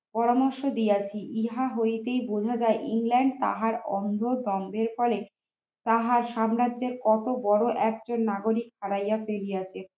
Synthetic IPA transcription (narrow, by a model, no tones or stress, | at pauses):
pɔɾamoɾʃod̪ijat͡ɕʰiʔiɦaɦojt̪ejbod͡ʑʱad͡ʑaeʔiŋlɛɳɖ̚t̪a̰ɦaɾɔ̰nd̪ʱod̪ɔmbeɾfɔle | t̪aɦaɾʃamɾadd͡ʑeɾkɔt̪obɔɽoʔɛk̚d͡ʑonːaɡoɾikhaɽajafelijat͡ɕʰe